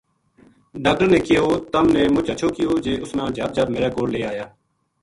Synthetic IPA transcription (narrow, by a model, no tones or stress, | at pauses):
ɖaːk̚ʈəɾnẽːkɪjoːt̪əmnẽːmʊt͡ʃət͡ʃʰoːkɪjoːd͡ʒeːʔʊsnãːd͡ʒəb̚d͡ʒəbmeːɾaːkoːɽleːaːjaː